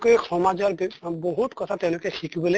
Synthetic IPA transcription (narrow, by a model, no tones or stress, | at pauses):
kojxʰɔmad͡ʒɔɹbboɦut̪kɔt̪ʰat̪ẽʊ̃lokekʰikibɔle